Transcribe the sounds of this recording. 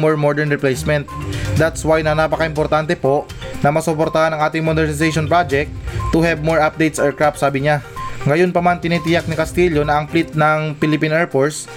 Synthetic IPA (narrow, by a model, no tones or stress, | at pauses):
moɹmoɹd̪ɛɹnɹɪplejsmɛnt̪̚d̪at̪swajnɐnaːpɐkɐɪmpoɾt̪ant̪ɛpo̞ʔ | nɐmɐsʊpoɾt̪ɐhanɐŋʔaːt̪ɪŋmod̪ɛɹnɪsɛjʃonpɹad͡ʒɛk̚t̪̚t̪ːʊhɛbmoɹʔap̚d̪ejt̪sɔɹkɹap̚saːbɪɲaŋɐjonpɐmant̪ɪnit̪ɪjak̚nɪkɐst̪iʎonɐʔɐŋplit̪̚nɐŋpɪlɪpinʔɛɹpoɹs